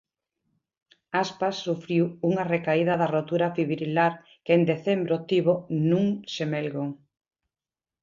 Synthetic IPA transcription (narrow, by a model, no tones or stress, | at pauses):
aspasːufɾiwuŋɐrekaiðɐðɐrot̪uɾɐfiβɾilaɾ | kend̪eθembɾot̪iβonũŋʃemelɡoŋ